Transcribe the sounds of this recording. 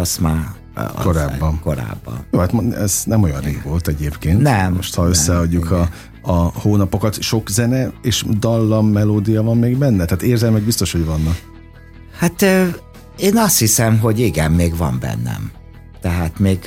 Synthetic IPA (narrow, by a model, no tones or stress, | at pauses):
ɒsma̰ː | ko̞ɾaːbːɒnkoɾa̰ːbːɒ̰njoːhat̪moɛznɛmo̞jɒnreːvo̞lt̪ɛɟeːpkeːntnɛmmoʃt̪ʰhɒøsːɛɒɟːukʰɒ | ɒhoːnɒpo̞kɒt̪ʃo̞kzɛnɛeːʃd̪ɒlːɒmːɛloːd̪ijɒvɒmːeːɡbɛnːɛt̪ɛaːt̪eːrzɛlmɛɡ̚bist̪o̞ʃho̞ɟvɒnːɒk | hat̪ː | eːnɒst̪hisɛmɦo̞ɟiɡɛmːeːɡvɒ̰mbɛ̰nːɛ̰m | t̪ɛɦaːt̪meːɡ